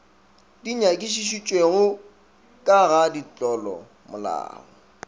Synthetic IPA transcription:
diɲakʼɪʃiʃ̬it͡ʃʼweɣʊ | kʼaɣadit͡ɬʼɔlɔ̰ | mʊla̰ːɣɔ

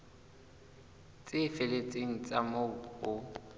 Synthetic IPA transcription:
t͡sʼɪfɪlet͡sʼeŋ̩t͡sʼamoʊ

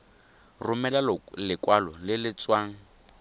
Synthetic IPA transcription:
rʊmɛlalɪkwalɔlɪlɪt͡swaːŋ̩

